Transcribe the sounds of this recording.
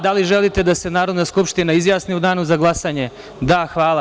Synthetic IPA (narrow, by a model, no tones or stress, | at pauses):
d̪aliʒelit̪e̞d̪asenaːɾo̞d̪naskupʃt̪inaizjaːsniud̪aːnuzaɡlˠasaɲe̞ | d̪axʋaːlˠa